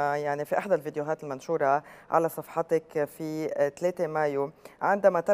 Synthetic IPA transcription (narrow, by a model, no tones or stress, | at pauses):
jaʕnifiʔaħd̪alvid̪joɦaːt̪ɪlmanʃuːɾˤɑʕa̰lasˤɑfħɑt̪akfit̪leːt̪emaːjoʕɪnd̪amat̪ɪ